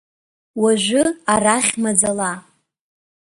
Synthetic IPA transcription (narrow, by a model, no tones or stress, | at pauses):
waʒʷʊaraχʲmad͡zala